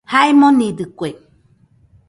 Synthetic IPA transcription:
haemonid̪ɨkʷe

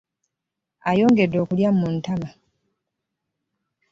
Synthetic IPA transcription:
ajo̞ːŋɡe̞dːo̞ːkuljamuntama

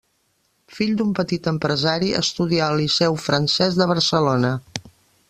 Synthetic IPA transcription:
fiʎd̪umpət̪it̪əmpɾəzaɾiʔə̰st̪uðiaəlisɛwfɾənsɛzðəβ̞əɾsəlonə

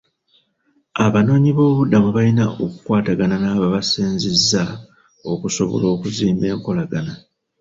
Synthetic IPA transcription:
aβano̞ːɲiβo̞ːβudːamuβalinaʔokukwaːtaɡananaːβaβasiːnzezːa | o̞kuso̞βo̞̰lo̞ːkuziːmbe̞ːŋko̞laɡana

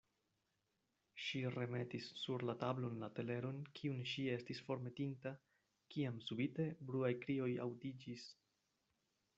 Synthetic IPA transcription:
ʃire̞me̞tisːuɾlatablo̞nlate̞le̞ɾo̞nkʰiunʃie̞stisfo̞ɾme̞tinta | kiamsubite̞bɾuajkɾio̞ja̰wdid͡ʒis

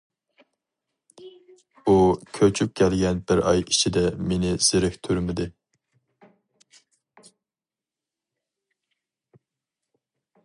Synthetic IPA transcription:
ukʲʰøt͡ʃʰyp̚kʲʰɛlɡʲɛnbɪɾɑ̰jit͡ʃʰid̪ɛmenɪz̥ɪɾɪkʲt̪ʰyɾmɪd̪ɪ

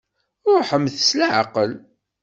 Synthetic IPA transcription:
ʊɾħəmːθəslaʕa̰qəl

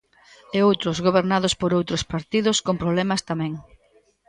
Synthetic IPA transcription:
eowt̪ɾʊzɣoβ̞eɾnaðʊspoɾowt̪ɾʊspaɾt̪iðʊskompɾoβlɛmɐst̪amɛ̃ŋ

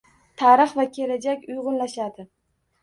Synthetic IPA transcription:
t̪ʰaɾɨχvakʲʰe̞lad͡ʒakʲʊjʁʊnlaʃad̪ɪ

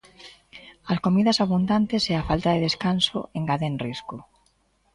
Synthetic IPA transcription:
ɐskomiðɐsaβund̪ant̪eseafalt̪aðeðeskanso̰eŋɡaðenriskʊ

